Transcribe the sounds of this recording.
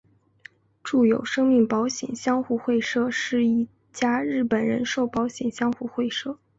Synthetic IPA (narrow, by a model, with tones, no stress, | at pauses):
ʈ͡ʂu˥˩jo˨˩ʊʂɤ˥ŋmi˥˩ŋpɑ˧˥ʊɕjɛ̰˨˩nɕjɑ˥ŋxu˥˧xwe˥˩˧ɪʂɤ˥ʂɻ̩˥˧i˥˩ | t͡ɕja˥ɻɻ̩˥˩pə˨˩nɻə̰˧˥nʂo˥˩ʊpɑ˧˥ʊɕjɛ˨˩nɕjɑ˥ŋxu˥˧xwe˥˧ɪʂɤ˥˩